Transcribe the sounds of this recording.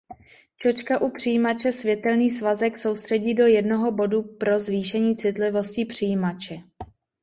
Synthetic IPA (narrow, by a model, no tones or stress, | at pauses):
t͡ʃo̞t͡ʃkaʔupr̝̥ijiːmat͡ʃɛsvjɛt̪ɛlniːsvazɛkso̞wst̪r̥ɛɟiːdo̞jɛdno̞ɦo̞bo̞dupɾo̞zviːʃɛɲiːt͡sɪt̪lɪvo̞scɪpr̝̥ijiːmat͡ʃɛ